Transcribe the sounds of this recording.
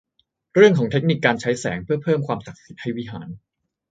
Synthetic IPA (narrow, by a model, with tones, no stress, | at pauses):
ɾɯ˥˩əŋkʰɔː˩˦ŋt̪e˦˥k̚ni˨˩kːaː˧nt͡ɕʰa˦˥jsɛ̰ː˩˦ŋpʰɯ˥˩ɐpʰɤː˥˩mkʰwaː˧msa˨˩k̚si˨˩t̪̚ha˥˩jwi˦˥ɦaː˩˦n